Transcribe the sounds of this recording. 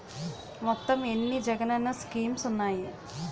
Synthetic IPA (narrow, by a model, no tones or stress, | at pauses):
mɔt̪ːɐmenːid͡ʒɐɡɐnɐnːɐskiːmsunːaːji